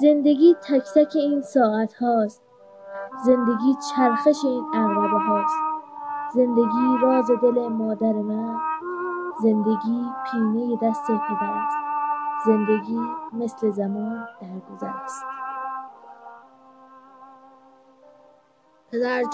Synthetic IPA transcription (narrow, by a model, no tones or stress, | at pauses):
ze̞nd̪e̞ɡiːt̪ʰækʰt̪ʰækʰe̞iːnsɒːʔæt̪hɒːst̪ | ze̞nd̪e̞ɡiːt͡ʃʰæɾxeʃe̞iːnæɣɾɒːd̪eɦɒːst̪̚ze̞nd̪e̞ɡiːɾɒːze̞d̪e̞le̞mɒːd̪æɾemæn | ze̞nd̪e̞ɡiːpʰiːnejed̪æst̪ebud̪ææst̪̚ze̞nd̪eɡiːme̞sle̞zæmuːnd̪̥æɾɡozæ̰ɾæst̪ | zæɾ